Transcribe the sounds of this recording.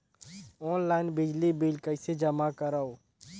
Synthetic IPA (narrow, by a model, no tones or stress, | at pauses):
ɔːnlaːɪnbɪd͡ʒlibiːlkəɪsed͡ʒəmakəɾaːoː